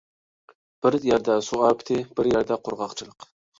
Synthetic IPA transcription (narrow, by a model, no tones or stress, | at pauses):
b̥ɪɾjɑɾd̪ɑsuɑːpt̪ʰɪb̥ɪɾjɑɾd̪ɑqʰʊɾʁɑqt͡ʃʰɨlˠəq